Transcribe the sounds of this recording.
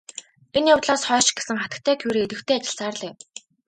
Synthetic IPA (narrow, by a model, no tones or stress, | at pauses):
enjʊwt̪̆ɮaːsχœːʃɪ̥̆ɡe̥sɘ̆ŋχat̪ə̆k̚t̪ʰæːkʰujɾeːet̪ɘ̆xt̪ʰeːat͡ɕɪ̆ɮsaːrɮeː